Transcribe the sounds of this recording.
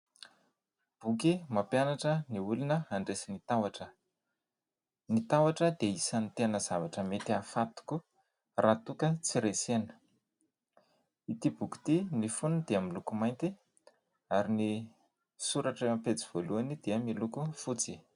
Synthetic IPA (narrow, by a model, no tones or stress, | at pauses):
b̥ukimapjanaʈ͡ʂəniulunəaɳɖ͡ʐesinit̪awaʈ͡ʂə | nit̪awaʈ͡ʂəd̪eisanit̪eanəzavaʈ͡ʂəmet̪iafat̪u̥ku | rat̪ukət͡siɾesenə̥ | it̪ibuki̥t̪inifund̪̥eamilukumajnt̪i | aɾini | suɾaʈ͡ʂəmapet͡siv̥oluanid̪̥eəmilukufut͡si